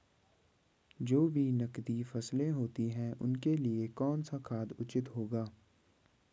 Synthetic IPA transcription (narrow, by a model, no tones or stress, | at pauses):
d͡ʒoːbʱinɐkd̪ifɐslẽɦoːt̪iɦɛ̃ʔʊ̰nkeliekɔːnsakʰaːd̪ʊt͡ʃɪt̪ɦoːɡaː